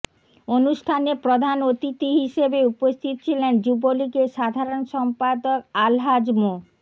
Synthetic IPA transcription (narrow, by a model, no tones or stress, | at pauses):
onuʃʈʰanepɾod̪ʱanot̪it̪iɦiʃebeupost̪ʰit̪o̥t͡ɕʰilend͡ʑubolikeʃad̪ʱaɾonʃɔmpad̪okalɦad͡ʑmo